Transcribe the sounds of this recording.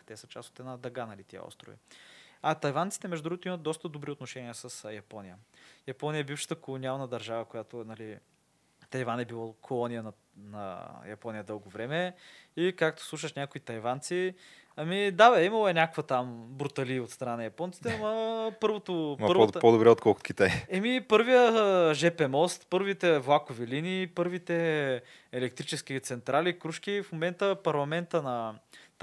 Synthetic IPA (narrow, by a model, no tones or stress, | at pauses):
t̪ɛsət͡ʃaso̥t̪ɛd̪nad̪ɐɡanɐlit̪iə̰ɔ̰st̪ɾo̰vḭɐt̪ɐjvant̪si̥t̪ɛmɛʒd̪ʊd̪ɾuɡot̪oimɐt̪̚d̪ɔst̪əd̪obɾiot̪noʃɛniəsəsjɐpɔnʲijəjɐpɔnijəɛbifʃə̥t̪əkolˠoniavnəd̪ɐɾʒavəkojat̪onɐli | t̪ɐjvanɛbilˠɔkʰolˠɔnijənɐ | nɐ̰jɐpɔnʲijəd̪ɤlˠɡovɾɛmɛikak̚t̪o̥slˠuʃ̬əʃnʲakoit̪ɐjvant̪si | ɐmid̪abɛimɐlˠoɛnʲakokvət̪ambɾut̪ɐliot̪st̪ɾɐnanɐjɐpɔnt̪si̥t̪ɛmɐpɤɾvot̪ompɤɾvopod̪obɾɛot̪kɔlˠkʊt̪kit̪ajɛmipɤɾvijəʒɛpɛmɔst̪pɤɾvit̪ɛvlˠakoviliniːpɤɾvit̪ɛ | ɛlɛk̚t̪ɾit͡ʃɛsk̟it̪sɛnt̪ɾalikɾuʃk̟ifmomɛnt̪əpɐɾlˠɐmɛnt̪ənɐ